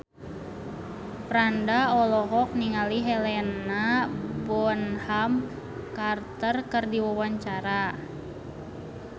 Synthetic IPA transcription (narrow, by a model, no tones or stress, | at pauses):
pɾandaɔlɔɦɔk̚niŋaliɦɛlɛnabɔnham | kart̪ərkərdiwawaɲt͡ʃaɾa